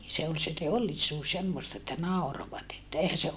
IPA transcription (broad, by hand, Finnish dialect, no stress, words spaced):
se ol se teolːisuːs semːostɑ etːæ nɑˑoroʋɑt etːæ eihæ se